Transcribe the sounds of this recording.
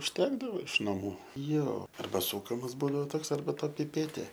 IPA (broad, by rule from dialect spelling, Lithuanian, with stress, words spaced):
ʊʃʲˈtʲæːɡdɐʋoː ɪʃ nɐˈmuː ˈjoː ˈɐrbɐ ˈsuːkɐmɐs ˈbuːdɐʋoː ˈtoːks ɐrbɐ ˈtɐ pʲɪˈpʲæːtʲeː